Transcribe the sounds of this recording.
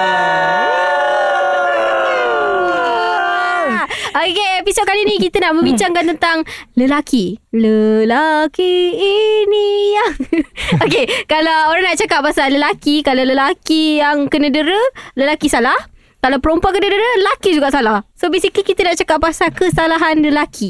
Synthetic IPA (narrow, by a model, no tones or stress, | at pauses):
okeepisot̪̚kalinikit̪ənaʔmə̃mbiɲt͡ʃaŋkant̪ənt̪aŋləlakiləlakiː | nijaŋokekalawoɾaŋnaʔt͡ʃakap̚ːasaləlakikalawləlakijaŋkənədəɾələlakisalah | kalawpəɾompuakənədəɾəlakid͡ʒuɡaʔsalahsobisikikit̪ənaʔt͡ʃakap̚ːasakəsalaɦanləlakʰi